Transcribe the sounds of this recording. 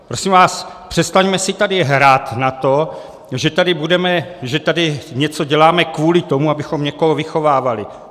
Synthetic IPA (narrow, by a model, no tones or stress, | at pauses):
pɾo̞simvaːspr̥ɛst̪aɲmɛsɪt̪adɪɦɾaːt̪nat̪o | ʒɛt̪adɪbudɛmɛʒɛt̪adɪɲɛt͡so̞ɟɛlaːmɛkvuːlɪt̪o̞muabɪxomɲɛkoɦovɪxo̞vaːvalɪ